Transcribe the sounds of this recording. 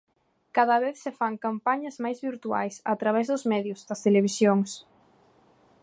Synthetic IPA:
kaðɐβeθsefaŋkampaɲɐzmajzβiɾt̪ua̰jsɐt̪ɾaβ̞ɛzðʊzmɛðjʊzðɐst̪eleβ̞isjoŋs

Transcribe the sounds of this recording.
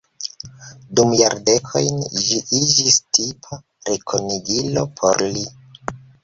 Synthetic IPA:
dumjaɾde̞kʰo̞̰jnʒiʔid͡ʒistʰipʰa | ɾekʰoniɡilo̞̰pʰo̞̰ɾli

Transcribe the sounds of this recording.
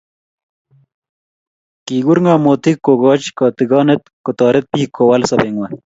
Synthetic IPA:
kiːɡuɾŋɡaːmoːt̪ʰikːoɡɑːt͡ɕkɑːt̪iɡɑːnet̪̚kot̪ɑːɾet̪̚piːkʰowɐlsɐbeŋwɐ

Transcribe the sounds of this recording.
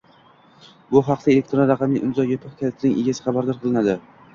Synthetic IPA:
bʊɦɑqt̪aele̞k̚ʲt̪ɾonɾɑqʰɑmiʔɪmzɒjopʰɨχkʲʰat̪ʰnɪŋʔeɡʲasɪ̥χɑbaɾd̪ɒɾqʰɨlˠɪnad̪ɪ

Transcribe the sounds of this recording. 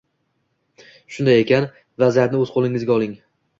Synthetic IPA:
ʃʊnd̪aje̞kʲan | vazijat̪nɪɵzqʰolˠɪŋɪzɡʲaɒlˠɪŋ

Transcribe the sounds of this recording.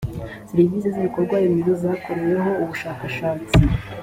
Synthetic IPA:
siɾivizeziβiko̞ɾɡwaːjimizozaːko̞ɾe̞je̞ɦo̞uβuʃaːkaʃaːt͡si

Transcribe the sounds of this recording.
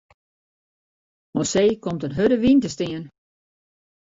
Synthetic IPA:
moseːkomtənɦødəʋintəstɪən

